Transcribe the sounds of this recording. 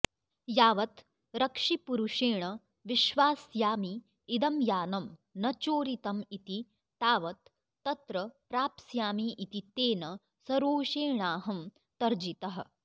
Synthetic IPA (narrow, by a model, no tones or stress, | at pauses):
jaːʋɐt̪ | ɾɐkʂipuɾuʂeːɳɐ | ʋiʃʋaːsjaːmiː | d̪ɐmjaːnɐmnɐt͡ʃoːɾit̪ɐmit̪i | t̪aːʋɐt̪ː | ɐt̪ɾɐpɾaːpsjaːmiʔit̪it̪eːnɐ | sɐɾoːʃeːɳaːɦɐm | t̪ɐɾd͡ʒit̪ɐɦɐ̰̆